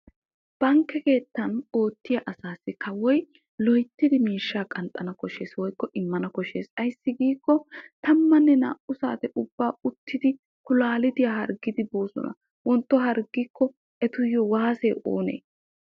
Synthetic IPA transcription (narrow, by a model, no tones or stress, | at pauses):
b̥ɐŋkːɛke̞ːt̪ːɐno̞ːt̪ːɪjɐʔɐsaːsːɪkʰɐwɔj | lɔjt̪ːɪd̪ɪmiːʃːaːkʼɐnt̪ʼːɐnɐkɔʃe̞ːswɔjkːɔʔɪmːɐnɐkɔʃe̞ːsɐjsːɪɡiːkːɔt̪ɐmːɐnːɛna̰ːʔʊsa̰ːt̪ɛʔʊbːaːʊt̪ʰːɪd̪ɪ | kʊlaːlɪd̪ɪjahɐɾɡɪd̪ɪboːsɔ̰nɐ̰ | wɔnt̪ːɔɦɐɾɡikːɔ | ʔɛt̪ʊjːɔwaːseːʔo̰ːne̞̰ː